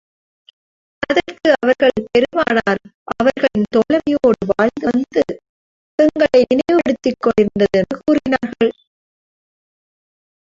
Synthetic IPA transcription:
ɐðɐrkɯɐʋɐɾɣɐɭpɛɾɯmaːnaːɾʔɐʋɐɾɣɐɭɪnt̪ɔlɐɾɐjoːɽɯʋaːjnɡ̪ɐnd̪ɯ | ɛŋɡɐɭɐɪnɪnɐɪʋɯɽɯt̪ːɪkːɔɭɪnd̪ɐðɛnːɯkuːrɪnaːɾɣɐɭ

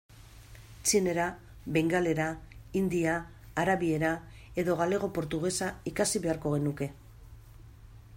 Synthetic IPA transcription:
t͡ʃine̞ɾa | βeŋɡale̞ɾaind̪iaː | ɾaβie̞ɾa | e̞ðo̞ɣ̞ale̞ɣ̞o̞po̞ɾt̪uɣ̞e̞saikasiβe̞aɾko̞ɣe̞nuke̞

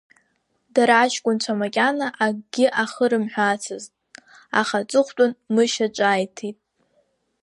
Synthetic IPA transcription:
daɾaːʃkʷʼʊnt͡ɕʷʰamakʲʼanaʔaɡɡʲɪʔaχəɾɨmħʷᶣat͡sʰɨztʼ | a̰χat͡sʷʼɨχʷtʷʼʊnmɨʃat͡ʃʷʼaːjtʰitʼ

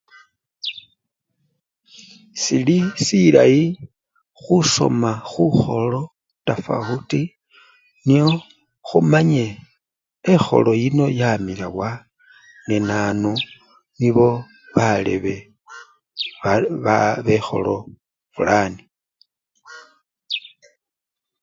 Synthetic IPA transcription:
silisila̰i | xuso̞̰maxuxo̞lo̞ | tafa̰uti | nio̞ | xumaɲe | exo̞̰lojino̞jamilawa | nenanu | niβo̞ | βalḛβe̞ | βexo̞̰lo̞̰ | fulani

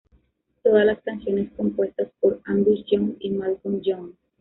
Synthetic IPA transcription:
t̪oðalaskansjo̞ne̞sko̞mpwe̞st̪aspoɾandusd͡ʒonimalkumd͡ʒon

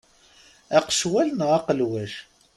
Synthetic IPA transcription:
æqə̥ʃwælnʁɑqəlwæʃ

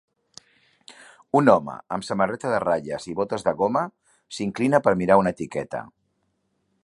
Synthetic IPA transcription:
unɔmə̰əmsəmərɛt̪əðəraʎəziβot̪əzðəɣomə | siŋklinəpəɾmiɾaunət̪ikɛt̪ə̰

